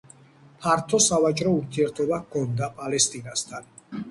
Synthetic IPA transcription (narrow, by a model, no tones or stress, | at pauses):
pʰaɾt̪ʰɔsavat͡ʃʼɾɔuɾt̪ʰiɛɾt̪ʰɔbakʰɔnd̪apʼalɛst̪ʼinast̪ʰan